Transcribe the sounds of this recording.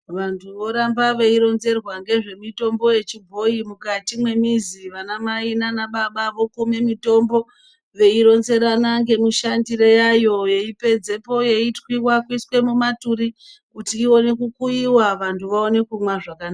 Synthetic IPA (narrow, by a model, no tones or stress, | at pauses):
ʋantʰuʋo̞ɾambaʋe̞iɾo̞nze̞rwaŋɡe̞ʐe̞mito̞mbo̞je̞t͡ʃibʱo̞imukatimwe̞miziʋanamainanaɓaɓaʋo̞kume̞mito̞mbo̞ | ʋe̞iɾo̞nze̞ɾanaŋɡe̞muʃandiɾejajo̞je̞ipe̞d͡ze̞po̞je̞itwiwakwiswe̞mumatuɾi | kutiːo̞ne̞kukuiwaʋantʰuʋaone̞kumwaʐakana